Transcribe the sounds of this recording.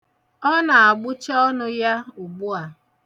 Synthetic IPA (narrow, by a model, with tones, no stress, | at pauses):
ɔ˦na˨a˨ɡ͡bʊ˦t͡ʃɔ˦nʊ˦ja˦ʊ˨ɡ͡bʊ˦a˨